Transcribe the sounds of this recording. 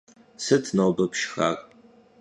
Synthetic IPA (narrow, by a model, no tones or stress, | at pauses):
sɨtʰnɐwbɐpʃxa̰ːr